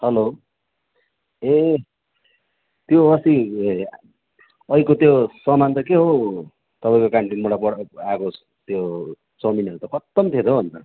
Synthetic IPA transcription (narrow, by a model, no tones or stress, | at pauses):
hʌlo | e | t̪joʌsi | ʌikot̪josʌmant̪ʌkeɦo | t̪ʌpaĩj̃kokaɳʈinmuɽapʌɽako | t̪jo | t͡sʌminʌɾut̪ʌkʰʌt̪ːʌmt̪ʰet̪ʰoʌnt̪ʌ